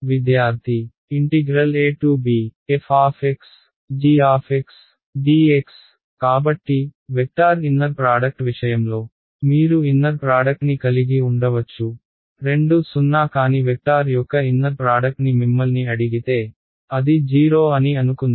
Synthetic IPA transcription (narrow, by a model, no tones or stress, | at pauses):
ʋid̪jaːɾt̪ʰi | iɳʈiɡɾɐleːʈuːbiːefʰaːpʰeks | ɖiːaːpʰeks | ɖiːeks | kaːbɐʈːiʋek̚ʈaːɾinːɐɾpɾaːɖɐk̚ʈʋiʂɐjɐmlo̞ː | miːɾuinːɐɾpɾaːɖɐk̚ʈnikɐliɡiuɳɖɐʋɐt͡ʃːu | ɾe̞ɳɖusunːaːkaːniʋek̚ʈaːɾjɔkːɐinːɐɾpɾaːɖɐk̚ʈnimimːɐlniɐɽiɡit̪e̞ː | ɐd̪id͡ʒiːɾo̞ːɐniɐnukund̪i